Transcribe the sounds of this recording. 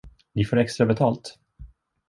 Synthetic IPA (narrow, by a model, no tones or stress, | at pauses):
nɪfoːɾɛkst̪ɾabɛt̪ʰɑːlt̪